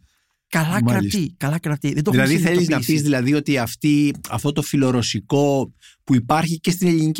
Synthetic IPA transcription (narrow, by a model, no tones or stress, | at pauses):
kɐlɐmɾɐisikɐlɐkɾɐt̪iðed̪oðilɐðiθeliznɐpizðilɐðio̞t̪iɐft̪iɐft̪o̞t̪o̞filo̞ɾo̞siko̞ | puipɐɾçice̞st̪ine̞ʎinic